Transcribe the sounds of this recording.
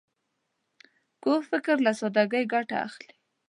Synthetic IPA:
kofɪkɾlasod̪aɡəjɡaʈa̰a̰xli̥

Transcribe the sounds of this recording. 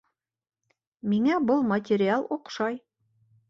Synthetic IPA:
miŋæbɤlˠmɐtʲɪɾʲɪalˠuqʃɑj

